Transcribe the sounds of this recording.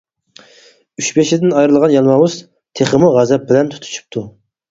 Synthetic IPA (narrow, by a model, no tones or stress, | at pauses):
yʃbeʃid̪ɪnɑjɾɨlˠʁɑnjɑnwɑwuz̥ | t̪ʰeχəmuʁæzɛp̚bɪlɛnt̪ʰu̥t̪ʰu̥t͡ʃʰu̥p̚t̪ʰu